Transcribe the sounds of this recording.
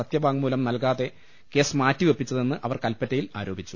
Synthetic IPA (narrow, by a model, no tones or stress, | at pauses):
ɐt̪jɐbʱaːŋmuːlɐmnɐlkaːðe̞ | ke̞ːsmaːtːiʋe̞pːit͡ɕːɐðe̞nːɨʔɐʋɐrkɐlpːɐtːɐjila̰ːɾo̞ːbʱit͡ɕːu̥